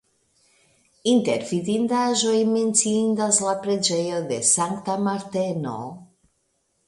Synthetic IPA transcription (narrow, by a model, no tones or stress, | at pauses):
int̪e̞ɾfidind̪aʒo̞jment͡siindaslapɾe̞d͡ʒe̞jo̞d̪e̞saŋkt̪amaɾt̪e̞no̞̰